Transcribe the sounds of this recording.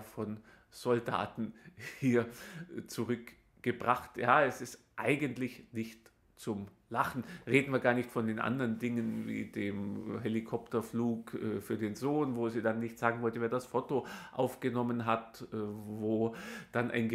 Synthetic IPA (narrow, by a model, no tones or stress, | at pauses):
fɔn | z̥ɔlda̰ːtn̩hiːɐt͡suʁʏk | ɡ̥əbʁaχtjaːɛsɪst | ʔaɪɡəntlɪçnɪçt | t͡sʊm | laχn̩ʁeːdn̩viːɐɡaːɐnɪçtfɔndeːnʔa̰ndɐʁəndɪŋənvḭːdeːmɦelikʰɔptɐfluːkʔɛfyːɐdeːnzoːnvoːziːdanːɪçtz̥aːɡŋ̩vɔltveːɐdasfotoʔaʊfɡ̥ənɔmənɦatːvoːd̥anʔa̰ɪnɡə